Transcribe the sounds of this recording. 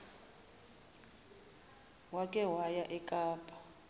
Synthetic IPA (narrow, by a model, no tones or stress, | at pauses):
wakʼɛwajaʔɛkʼaːpʼḁ